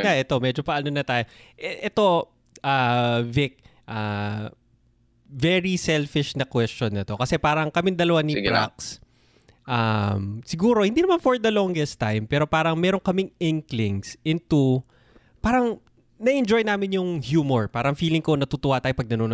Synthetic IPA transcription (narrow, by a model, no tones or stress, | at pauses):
jaʔɛt̪o̞mɛd͡ʒopɐʔɐnonɐt̪aːjoʔɛʔɛt̪o̞ | ʔaːvɪk̚ | ʔa | vɛɹisɛlfɪʃnɐkwɛst͡ʃonːɐt̪o̞kɐsɛpaːɾɐŋkɐmɪŋd̪ɐlɐwanipɾa̰ks | ʔamsɪɡuːɾo̞hɪnd̪inɐmanfoɹd̪ɐloŋɡɛst̪ajmpɛːɾo̞paːɾɐŋmɛːɾo̞ŋkɐmɪŋɪŋklɪŋsʔɪnt̪u | paːɾɐŋ | nɐʔɛnd͡ʒojnaːmɪnjʊŋhjuːmoɹpaːɾɐŋfiːlɪŋkonɐt̪ut̪ʊwat̪aːjopɐɡ̚nɐnoːn